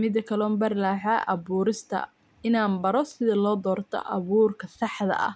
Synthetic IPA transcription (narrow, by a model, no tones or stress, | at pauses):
mɪd̪ɐkʰɐlɔːmbɐrlaːħaːʔɐβuːɾɪst̪ʰɐ̰ | ɪnaːmbɐɾɔsɪðɐlɔːd̪ɔːrt̪ʰɔ̰ʔɐβuːrkʰɐsɑħd̪ɐ̰ʔɐ̰h